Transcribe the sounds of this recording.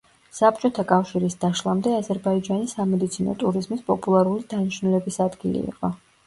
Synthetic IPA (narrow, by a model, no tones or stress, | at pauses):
sap̚t͡ʃʼɔt̪ʰakʼafʃiɾisd̪̥aʃlˠamd̪ɛazɛɾbaid͡ʒanisːamɛd̪it̪sʰinɔ̰t̪ʼuɾizmispʼɔpʼulˠaɾulid̪̥aniʃnulɛbisad̪ɡilḭːqʼɔ